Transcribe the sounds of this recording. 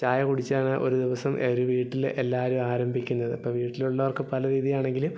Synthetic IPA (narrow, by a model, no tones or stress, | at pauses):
t͡ɕaːjɐkuɽit͡ɕːaːɳɨʔo̞ɾud̪iʋɐsɐmʔeɾuʋiːʈːilʔelːaːɾumaːɾɐmbʱikʲːunːɐðɨpːɐːʋiːʈːiluɭːɐʋɐrkɨpɐlɐɾiːðijaːɳe̞ŋɡilum